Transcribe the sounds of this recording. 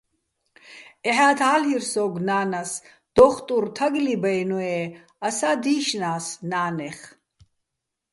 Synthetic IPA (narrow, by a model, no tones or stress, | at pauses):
ɛħaːt̪ʰaːlhirsɔːɡnaːnas | d̪̥ɔːχt̪ʼuɾt̪ʰaɡlibajnɔɛ | asaːd̪iːʃnaːsnaːnɛχ